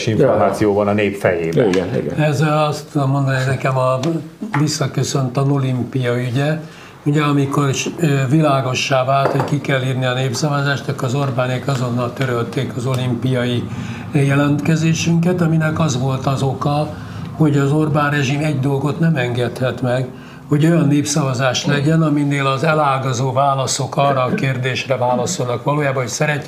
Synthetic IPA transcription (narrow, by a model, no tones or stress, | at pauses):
ʃiɱformaːt̪sijoːbɒnɒneːpfɛ̰jeːbɛ̰nḭɡ̰ɛzɛlɒst̪ud̪omːo̞nd̪ɒninɛkɛmɒ | visːɒkøsø̞nt̪ɒno̞limpijɒyɟɛ | uɟɛɒmiko̞rvilaːɡo̞ʃːaːvaːlt̪ho̞ɟckikɛlːiːrniɒneːpsɒvɒzaːʃt̪ɒkɒzo̞rbaːneːkɒzo̞nːɒlt̪øɾølt̪eːkɒzo̞limpijɒji | jɛlɛnt̪kɛzeːʃyŋkɛt̪ɒminɛkɒzʋo̞lt̪ɒzo̞kɒ | ho̞ɟɒzo̞rbaːnrɛʒimɛɟd̪o̞lɡo̞t̪nɛmɛŋɡɛt̪hɛt̪mɛɡ | ho̞ɟo̞jɒnːeːpsɒvɒzaːʃlɛɟɛnɒmineːlɒzɛlaːlɡɒzoːvaːlɒso̞kɒrːɒːkeːrd̪eːʃrɛvaːlɒso̞lnɒkʋɒloːjaːbɒɦo̞csɛɾɛcː